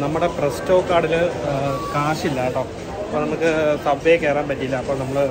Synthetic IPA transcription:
nɐmːuɽeprestoːkːaːɽilɨkaːʂilːaːʈːoː | ɐpːonɐmukːɨsɐbʋejkːe̞ːɾɐaːmpɐtːiilːɐːpːo̞ːɭnɐmːɐɭɨ

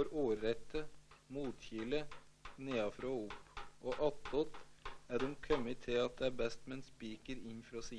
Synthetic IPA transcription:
ɔɾuːɾːɛt̪ːəmuːt̪çɪlə | neːɑfɾoːʊpːʔoːʔɑt̪ːɔt̪æːɖ̪ʊmkʰœmət̪ʰɪɑt̪̚d̪ɛæːbɛst̪mɛnspiːkəɾɪnfɾɑːsiː

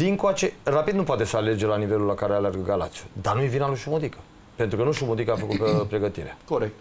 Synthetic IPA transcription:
d̪iŋkoat͡ʃe̞rapid̪nup̬oat̪e̞səale̞rd͡ʒelanive̞lulːakaɾealearɡəɡala̰t̪sijud̪anuevinaluʃumud̪ikə̥ | pe̞nt̪ɾukənuʃumud̪ikəafəkut̪pɾe̞ɡət̪iɾea̰koɾek̚t̪

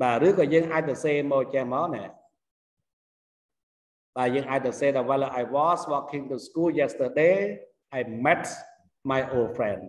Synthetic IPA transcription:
ɓaːrɨːkɔːjəːŋʔaːc̚sɔseːmɔːt͡ɕɛhmaːnɛ | ɓaːjəːŋʔaːc̚sɔseːɗɔʋaləʔajʋɔːsʋɔkʰːiŋt̪uskuːljɛst̪əɗeː | ʔajmɛts | majʔoːlfrɛn

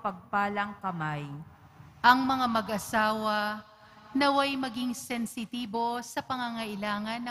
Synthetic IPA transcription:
pɐɡ̚paːlɐŋkɐmaj | ʔɐŋmɐŋamɐɡʔɐsaːwɐ | nɐwɐjmɐɡiŋsɛnsɪt̪iːbo̞sɐpɐŋɐŋɐʔɪlaːŋɐnːɐ

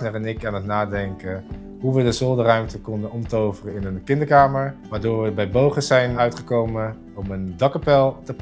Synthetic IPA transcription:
nərɛnɪkaːnətnaːdɛŋkə | ɦuʋədəzɔlˠdərœɥmtəkɔndənɔmtowvərəɪnənkɪndəɹkaːməɹʋaːɹdʊːɹʋəbɛjbowχəzɛjnœɥtχəkowmən | ɔməndɑkəpɛlˠtəp

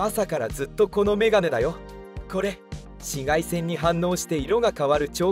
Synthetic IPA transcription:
asakaɾa̰zɨt̪ːo̞ko̞no̞me̞ɡane̞d̪ajo̞ | ko̞ɾe̞ | ɕiɡaisẽ̞ɲ̟ːiɦãnːo̞ːɕi̥t̪e̞iɾo̞ɡakaβaɾɯ̟t͡ɕo̞ː

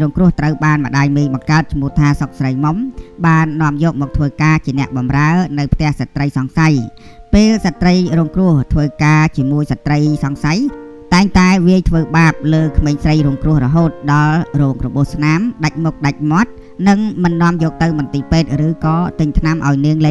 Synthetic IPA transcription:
ɾuːŋkrʊ̆əht̪rəwɓaːnmə̆ɗaːjmiːjɓɑŋkaət̪̚t͡ɕʰmʊ̆əht̪ʰaːsok̚srəjmomɓaːnːŏəmjɔːk̚mɔːk̚t̪ʰʋəːkaːt͡ɕiənɛ̆əʔɓɑmraənɨwpʰt̪ɛ̆əhsat̪rəjsɑŋsaj | peːlsat̪rəjrɔːŋkrʊ̆əht̪ʰʋəːkaːt͡ɕiəmuəjsat̪ːrəjsɑŋsaj | t̪aɛŋt̪aɛʋiəjt̪ʰʋəːɓaːp̚ləːkʰmeːŋsrəjruəŋkrʊ̆əhrɔɦoːt̪̚ɗɑlrɔːŋrɔɓuəhsnamɗac̚muk̚ɗac̚mŏət̪̚ | nɨŋmɨnːŏəmjɔːk̚t̪ɨwmɑnt̪iːpeːt̪̚rɨːkɑːt̪ɨɲt̪ʰnamʔaɔjniəŋleː

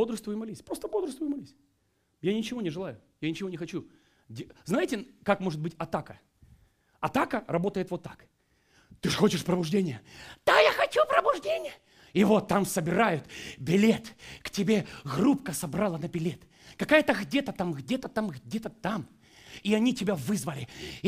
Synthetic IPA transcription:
bod̪ɾəst̪vʊjmɐlʲisʲpɾo̞st̪əbod̪ɾəst̪vʊjʊmɐlʲisʲ | janʲɪt͡ɕɪvo̞nʲɪʐɨlˠajʊ | janʲɪt͡ɕɪvonʲɪxɐt͡ɕu | dʲznajɪtʲɪkakmo̞ʐɨt̪bɨtʲɐt̪akə | ɐt̪akərɐbo̞t̪əjɪt̪vo̞t̪ːḁk | t̪ɨʐxo̞t͡ɕɪʂpɾəbʊʐdʲenʲɪjəd̪̥ajaxɐt͡ɕupɾəbʊʐdʲenʲɪjə | ivo̞t̪ːamsəbʲɪɾajʊt̪bʲɪlʲe̞t̪ktʲɪbʲe̞ɣrupkəsɐbɾalˠənəbʲɪlʲe̞t̪ | kɐkajət̪əɣdʲe̞t̪ət̪amɣdʲet̪ət̪amɣdʲet̪ət̪am | iɐnʲitʲɪbʲavɨzvəlʲɪ

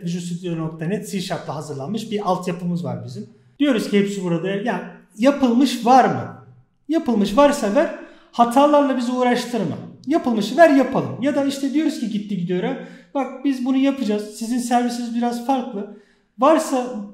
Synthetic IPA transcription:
ʒusid̪jonok̚t̪ʰanɛt̪siʃaɾt̪lˠaɦazɯɾlˠanmɯʃbialˠt̪ʰjapʰɯlˠmɯzva̰ɾbizim | d̪ijo̞ɾuzcʰihɛpsibuɾad̪aja | japʰɯlˠmɯʃvaɾmɯ̰ | japɯlˠmɯʃvaɾsavæɾ̥ | hat̪ʰaːlˠaɾlˠabiziuːɾaʃt̪ʰɯɾmɯ̰japɯlˠmɯʃvæɾjapʰalˠɯmjad̪aiʃt̪ʰɛd̪ijo̞ɾuzcʰiɟit̪ːiɟid̪ijo̞ɾabak̚bizbunujapʰɯd͡ʒaz̥sizinsæɾvisnizbiɾazfaɾklˠɯ | vaɾsa

